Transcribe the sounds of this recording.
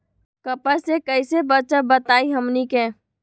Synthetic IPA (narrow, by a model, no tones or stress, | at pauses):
kəpəsekəisebət͡ʃəbət̪aːiɦəmnikeː